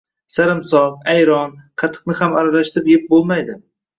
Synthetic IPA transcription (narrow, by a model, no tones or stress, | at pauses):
saɾɪmsɒvajɾɒnqʰɑt̪ʰːɨ̥qnɪhamaɾalaʃt̪ɪpjep̚bolˠmajd̪ɪ